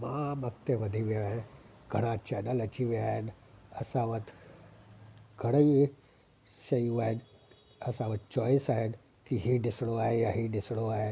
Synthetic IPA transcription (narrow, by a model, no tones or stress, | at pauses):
mãmɐkt̪eʋəd̪ʱiʋiaɦẽ | ɡʱɐɽ̃ãt͡ʃɛnəlɐt͡ʃiʋiaːenəsãʋət̪ʰ | ɡʱɐɽ̃əʋi | ʃɐjuaːɦen | ɐsãʋət̪̚t͡ʃɔjsaːɦen | kiɦinɪsɽoaːɦejaɦinɪsɽoaːe